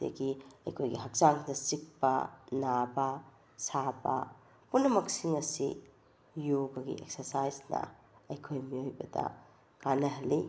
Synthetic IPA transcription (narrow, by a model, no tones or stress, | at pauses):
dḛɡiɐ̰jkʰojɡḭɦɐk̚zaŋdɐsik̚pɐ̰nabɐ | sabɐ̰ | punːɐmɐksiŋɐsḭ | joɡɐɡḭʔek̚sɐɾsajznɐ̰ | ɐjkʰojmiojbɐdɐ̰ | kanɐɦɐlːi